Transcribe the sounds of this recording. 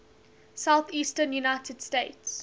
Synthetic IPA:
saʊθiːstənjunaɪtʰədsteɪts

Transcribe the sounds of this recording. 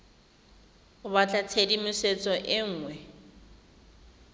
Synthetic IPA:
ʊbat͡ɬʼat͡sʰedimʊset͡sʼɔʔɪŋ̩ːŋwɛ

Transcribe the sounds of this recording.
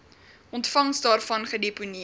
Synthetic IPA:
ʔɔntfɐŋsdɑːrfɐnχədepuni

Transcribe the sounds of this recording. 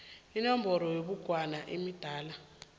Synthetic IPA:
inɔmbʱɔɾɔjeɓuɡ̥ʱwanaʔimid̥ʱaːla

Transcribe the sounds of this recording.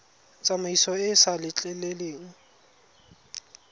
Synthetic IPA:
t͡sʼamaisɔɪsalɪt͡ɬʼɛleleːŋ̩

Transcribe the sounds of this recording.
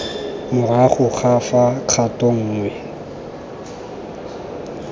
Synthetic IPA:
mʊraχʊχafaq͡χʰatʼɔŋ̩ːŋwɛ

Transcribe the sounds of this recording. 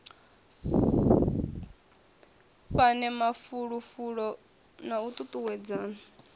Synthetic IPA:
ɸanɛmafuɺufuɺɔ | naut̪ʼut̪ʼuwɛd͡zaːna

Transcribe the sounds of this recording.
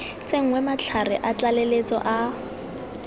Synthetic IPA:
t͡seŋ̩ŋwɛmat͡ɬʰarɪʔat͡ɬalelet͡sɔ̰ʔa

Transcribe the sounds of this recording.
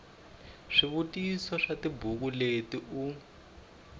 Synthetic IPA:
ʂiβutisɔʂatibʱuk̬uletiʔu

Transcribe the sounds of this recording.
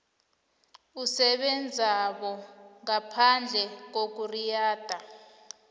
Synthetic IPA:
usɛɓɛnd͡zʱaɓɔŋapʰand͡ɮʱɛk̬ok̬urijaːd̥ʱa

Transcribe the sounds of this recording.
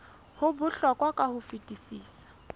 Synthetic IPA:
hʊbʊɬɔkʼwakʼahʊfitʼisiːsḁ

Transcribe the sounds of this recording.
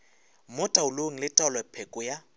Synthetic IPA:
mʊtʼaʊloŋ̩lɪtʼalwɛpʰɛkʼʊja

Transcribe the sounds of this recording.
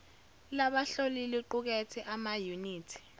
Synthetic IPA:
laɓaɬoliliǃuk̬ɛtʰɛʔamajuniːtʰi̥

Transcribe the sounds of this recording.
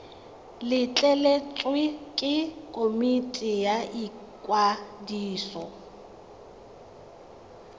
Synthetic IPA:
lɪt͡ɬʼɛlet͡sʼwɪkʼɪkʼomitʼɪjai | kʼwadiːsɔ

